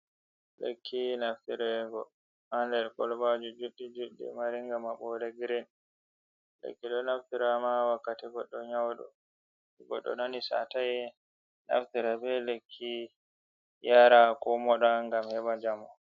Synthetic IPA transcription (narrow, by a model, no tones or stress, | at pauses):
lḛkʰːinaftiɾɛɡɔ | handɛɾkɔlbad͡ʒud͡ʒuɗːid͡ʒuɗːḭmaɾiŋɡamaɓɔɾeɡiɾɛn | lḛkːiɗɔnaftiɾamawakːatiɡɔɗːɔɲawɗɔ̰ | ɡɔ̰ɗːɔ̰nanisa̰tajɛ | na̰ftiɾabɛlekʰːi | jaɾakɔmɔɗaŋɡamhɛbad͡ʒamɔ